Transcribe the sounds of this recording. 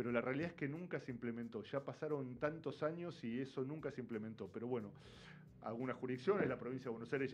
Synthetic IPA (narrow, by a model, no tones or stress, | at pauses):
peɾo̞larealiðaeskenũŋkaseimplemẽnt̪o̞ʃapasaɾo̞nt̪ant̪o̞saɲo̞sieso̞nũŋkaseimplemẽnt̪o̞peɾo̞βwe̞no̞ | a̰lɣunasxuɾiðiksjo̞nezlapɾo̞βinsjaðwenosajɾe